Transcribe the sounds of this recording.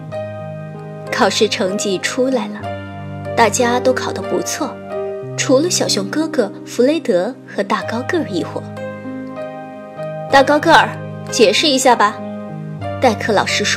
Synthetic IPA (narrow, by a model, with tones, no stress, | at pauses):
kʰɑ˨˩ʊʂɻ̩˥˩ʈ͡ʂʰɤ˧˥ŋt͡ɕi˥˩ʈ͡ʂʰu˥la˧˥ɪlə˧ | t̪a˥˩t͡ɕja˥t̪o˥ʊkʰɑ˨˩ʊd̪ə˧˥pṵ˧˥t͡sʰwɔ˥˩ | ʈ͡ʂʰu˧˥lə˧ɕjɑ˨˩ʊɕjʊ˧˥ŋkɤ˥ɡɤ˧˩ | fu˧˥le˥ɪt̪ɤ˧˥xɤ˧˥t̪a˥˩kɑ˥ʊkɤ˥˩ə˨˩i˥˩xwɔ̰˨˩˦ | t̪a˥˩kɑ˥ʊkɤ˥˩ə˞˨˩˦ | t͡ɕjɛ˨˩ʂɻ̩˥˩i˧˥ɕja˥˩bɐ˩ | t̪a˥˧ɪkʰɤ˥˩lɑ̰˨˩ʊʂɻ̩˥ʂ